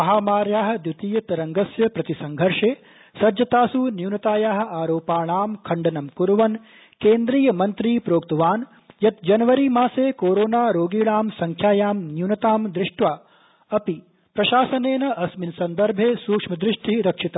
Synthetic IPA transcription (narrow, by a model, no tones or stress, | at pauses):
ɐɦaːmaːɾjaːɦɐ̆d̪jut̪iːjɐt̪ɐɾɐŋɡɐsjɐpɾɐt̪isɐŋɡʱɐɾʂeː | sɐd͡ʒɐt̪aːsunjuwnɐt̪aːjaːɦɐ̆aːɾoːpaːɳaːmkʰɐɳɖɐnɐmkuɾuʋɐn | keːnd̪ɾiːjɐmɐnt̪ɾiːpɾoːkt̪ɐʋaːn | jɐt̪d͡ʒɐnɐʋɐɾimaːseːkoːɾoːnaːɾoːɡiːɭaːmsɐŋkʰjaːjaːmnjuwnɐt̪aːmd̪ɾɪʂʈʋaː | ɐpi | pɾɐʃaːsɐneːnɐɐsminsɐnd̪ɐɾbʱeːsuːkʂmɐd̪ɾɪʂʈʰiɾɐkʂit̪a